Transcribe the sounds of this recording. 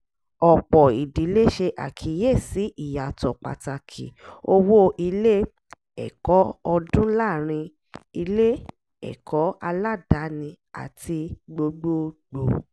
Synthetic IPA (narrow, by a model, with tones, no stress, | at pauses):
ɔ˨k͡pɔ˨i˨di˨˦le˦ʃe˧ʔa̰˨kʰi˨˦je˦˨si˨˦ʔi˦˨ja˨tɔ˨k͡pa̰˨ta˧kʰḭ˨o˧wo˦ʔi˧le˦ | ɛ̰˨kɔ˨˦ɔ˧dũ˦la˦˨ɾ̃ĩ˧ | i˧le˦ | ɛ̰˨kʰɔ˨˦a˧la˦˨da˨˦nĩ˧ | a̰˨ti˧ɡ͡bo˧ɡ͡bo˦ɡ͡bo˨